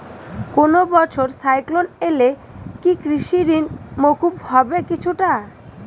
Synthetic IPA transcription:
konobɔt͡ɕʰoɾsajklonele | kikɾiʃiɾinmokuphɔbekit͡ɕʰuʈa

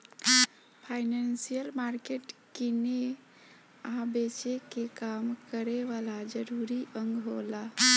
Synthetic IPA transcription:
pʰajnansijəlmaɾkeʈkine | abet͡ʃekekamkəɾeʋalad͡ʒəɾuɾiʔəŋɡɦola

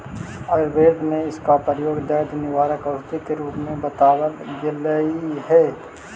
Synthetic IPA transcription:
ɐɾbeːɾd̪ʱmẽɪskapɾəəjoːɡd̪ɐd̪nɪʋaːɾəkɐst̪ikeɾuːpmẽbət̪aːwəlɡɪləiɦɛː

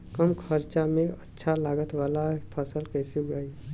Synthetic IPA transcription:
kəmkʰəɾt͡ʃamẽətːʃʰalaːɡət̪waːlapʰəsəlkɛːsiɡai

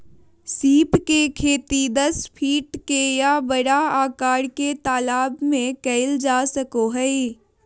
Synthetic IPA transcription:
siːpkekʰeːt̪id̪ɐspʰiːʈkejabɐɽaaːkaːɽket̪aːlaːbmẽkɐɪld͡ʒaːsəkoɦɛi

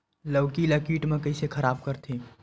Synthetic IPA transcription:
ləwkiləkiːʈmẽkəisekʰəɾaːbkəɾt̪ʰe

